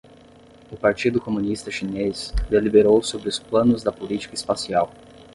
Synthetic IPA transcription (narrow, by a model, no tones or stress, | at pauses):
ʊpaɾt͡ʃid̪ʊkomunist̪ɐʃinesd̪elibeɾowsobɾɪʊsplɐ̃nʊzd̪ɐpolit͡ʃi̥kɐispasiaw